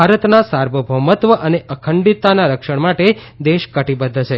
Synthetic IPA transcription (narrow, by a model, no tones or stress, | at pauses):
aɾət̪nasaɾʋəbʱəmət̪ʋəʔəneʔəkʰəɳɖit̪ːanaɾəkʃəɳmaʈe | d̪eʃkəʈibəd̪ʱːət͡ʃʰe